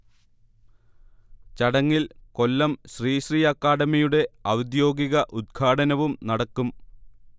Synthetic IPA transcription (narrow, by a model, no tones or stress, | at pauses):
t͡ɕɐɽɐŋːilko̞lːɐmɕriːɕrijakːaːɽɐmɐjuɽe̞ɐwɐd̪jo̞ːɡiɣɐʔud̪̚ɡʰaːɽɐnɐʋumnɐɽɐkːum